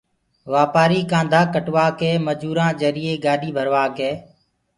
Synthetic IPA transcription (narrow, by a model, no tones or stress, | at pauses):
ʋaːpaːɾiːkãːnd̪ʱãːkəʈʋaːkeːməd͡ʒuːɾãːd͡ʒəɾiːeːɡaːɗiːbʱəɾʋaːkeː